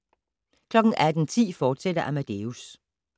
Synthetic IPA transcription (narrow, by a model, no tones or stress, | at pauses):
kʰlɒ̽ɡ̥n̩ʔæd̥n̩t͡sʰḭːfɒːd̥sed̥ɐʔæmæd̥e̝us